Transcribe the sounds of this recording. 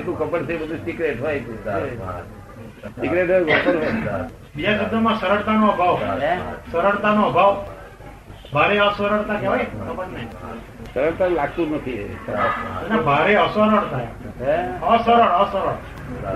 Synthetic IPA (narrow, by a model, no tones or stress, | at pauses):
t̪ũkəpəɽt̪ʰebəd̪ʱũsikɾeʈɦojt̪ũ | sikɾeʈojɡɔpəɾɦo | bid͡ʒasəd̪ʱomãsəɾəɽt̪anoəbʱaʋ | səɾəɽt̪anoəbʱaʋ | bʱaɾeəsoɾəɽt̪akeʋajkəbənna | səɾəɭt̪alaɡ̚t̪ũnət̪ʰḭ | nabʱaɾeəsəɾəɽt̪ʰaj | əsəɾəɽəsəɾəɽa